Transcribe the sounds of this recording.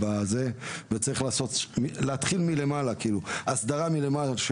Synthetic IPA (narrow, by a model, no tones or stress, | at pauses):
baze̞vet͡saʁiχlaːso̞t̪mileat̪χilmile̞malakiiːluasd̪aʁamilemalaʃ